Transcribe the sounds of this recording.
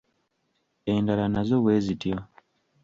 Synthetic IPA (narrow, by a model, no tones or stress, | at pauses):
endalanazo̞βwe̞ːzitjo